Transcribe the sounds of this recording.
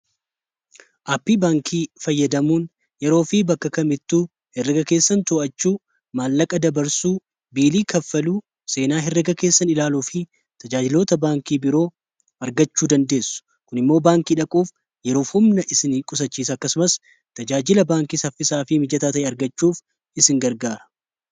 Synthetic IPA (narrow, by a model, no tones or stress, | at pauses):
ʔaːpːiːbaːŋkʰiːfɐjːɐd̪ɐmuːn | jɛɾo̞ːfibɐkːɐkɐmɪt̪ːuː | hɛrːɛɡɐke̞ːsːɐnt̪ʊʔɐt͡ʃːuː | maːlːɐkʼɐd̪ɐbɐɾsuː | biːliːkɐfːɐluː | se̞ːnaːɦɛrːɛɡɐke̞ːsːɐnɪlaːluːfi | t̪ɐd͡ʒaːd͡ʒɪlo̞ːt̪ɐbaːŋkiːbɪɾo̞ː | ɐɾɡɐt͡ʃːuːd̪ɐnd̪e̞ːsːʊ̥ | kʊnɪmːo̞ːbaːŋkiːᶑɐkʼuːf | jɛɾo̞ːfhʊmnɐʔɪsɪnkʼʊsɐt͡ʃːiːsɐɐkːɐsʊmɐs | t̪ɐd͡ʒaːd͡ʒɪlɐbaːŋkiːsɐfɪsaːfɪmɪd͡ʒɐt̪aːt̪ɐʔɛɐɾɡɐt͡ʃːuːf | ɪsɪŋɡɐɾɡaːɾɐ̥